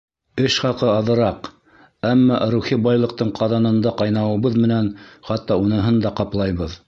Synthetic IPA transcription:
ɘʃχɑqɤɑðɤ̆ɾɑq | æmːɑɾuχibɑjlˠɤ̆q̚t̪ɤɴqʰɑðɑnɤ̆nd̪ɑqɑjnɑwɤ̆βɤðmɘ̆nænχɑt̪ːɑunɤ̆ɦɤnd̪ɑqɑplˠɑjβɤð

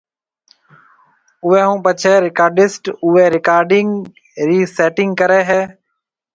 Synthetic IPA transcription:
ʊʋeːɦũːpət͡ʃʰeːɾɪkaːɾɖɪsʈʊeːɾɪkaːɾɖɪŋɡ | ɾiːseːʈɪŋɡkəɾeːɦɛː

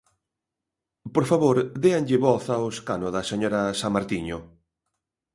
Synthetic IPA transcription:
poɾfaβoɾd̪eaŋʎɪβɔθaʊskanoðɐseɲoɾɐsamaɾt̪iɲʊ

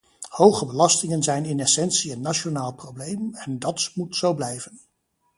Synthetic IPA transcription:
howχəbəlɑstɪŋənzɛjnɪnɛsɛnsiənːaʃonaːlˠprowblejmɛndɑtmutsowblɛjvən

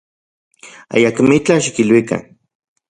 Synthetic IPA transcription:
a̰jakmit͡ɬaʃikilwika̰n

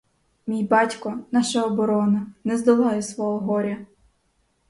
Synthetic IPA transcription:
mʲijbɑtʲkɔnɑʃɐɔbɔɾɔnɐnɛzd̪ɐlˠɑjɛsʋɔɦɔɦɔɾʲɐ

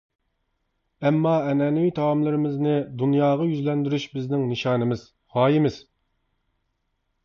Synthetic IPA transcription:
ɛmːɑɛnɛnɪwit̪ʰɑwɑmlˠɪɾɪmɪznɪd̪unjɑːʁɑjyzlɛnd̪yɾyʃbɪznɪŋnɨʃɑːnɨmɪz̥ | χɑːjimɪz̥

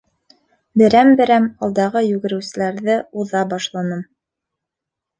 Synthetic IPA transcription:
bɘ̆ɾæmbɘ̆ɾæmɑlˠd̪ɑʁɤjʉɡɘ̆ɾɘ̆wsɘ̆læɾðɘuðɑbɑʃlˠɑnɤm

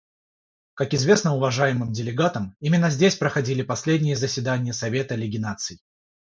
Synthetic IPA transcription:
kakɪzvʲesnəʊvɐʐajɪmɨmdʲɪlʲɪɡat̪əmimʲɪnːəzʲdʲesʲpɾəxɐdʲilʲɪpɐsʲlʲedʲnʲɪjəzəsʲvʲɪd̪anʲɪjəsɐvʲe̞t̪əlʲɪɡʲɪnat̪sɨjɪ

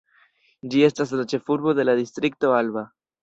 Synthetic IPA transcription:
d͡ʒie̞stas̬lat͡ʃe̞fuɾbo̞de̞lad̪istɾik̚to̞alba

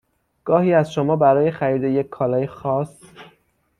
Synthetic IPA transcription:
ɡ̥ɒːhiːæzʃomɒːbæɾɒːje̞xæɾiːd̪e̞je̞cʰːɒːlɒːjexɒːs

